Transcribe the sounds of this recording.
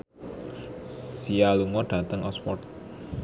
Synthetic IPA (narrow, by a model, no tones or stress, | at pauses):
sialuŋɔɖ̥ä̤t̪əŋɔspɔrt̪̚